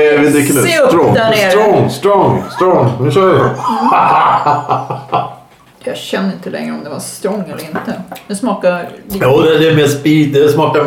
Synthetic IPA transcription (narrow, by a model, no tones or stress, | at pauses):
vɪd̪ɪkʰːnɛt̪ɾɔŋd̪neɾɔŋːst̪ɾɔŋːst̪ɾɔŋːnʉ̟ʃœːɾjah | jɑɕɛnd̪əɾɪnt̪əlɛ̰ŋɾəɔmd̪ɛva̰st̪ɾɔŋːɛlːəɾɪnt̪əd̪ɛsmɑːkajoːd̪ɛd̪ɛɛmeːspiːd̪̚ɛsmɑːka